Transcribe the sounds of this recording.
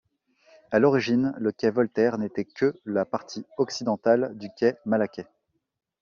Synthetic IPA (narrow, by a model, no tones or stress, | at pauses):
alɔʁiʒinləkʲɛvɔlt̪ɛʁnet̪ɛkʰəlapaʁt̪ʰiɔksid̪ɑ̃t̪ald̪ykʲɛmalakʲɛ